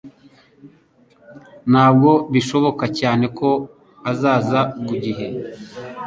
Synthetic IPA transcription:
naːb̚ɡo̞βiʃo̞βo̞kacaːne̞ko̞ | azaːzaɡuɟiɦe̞

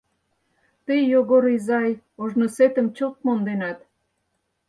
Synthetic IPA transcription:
t̪ejoɣoɾizɑj | oʒnoset̪əmt͡ɕot̪̚mond̪enɑt̪

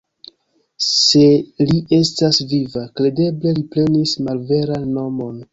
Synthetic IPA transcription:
se̞liʔe̞stasvivakɾe̞de̞ble̞lipɾe̞nismalve̞ɾanːo̞mo̞n

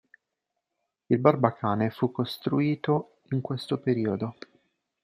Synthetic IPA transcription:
ilbarbakaːnefukːost̪ɾuiːt̪o | iŋkwest̪opeɾiːod̪o

